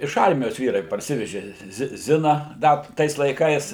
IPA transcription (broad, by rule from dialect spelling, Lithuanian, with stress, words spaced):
ɪʃ ˈɐrʲmʲɪjoːs ˈʋʲiːrɐɪ pɐrʲˈsʲɪʋʲɛʒʲɪ ˈzʲɪ ˈzʲɪnɐ ˈdɐ ˈtɐɪs lˠɐɪˈkɐɪs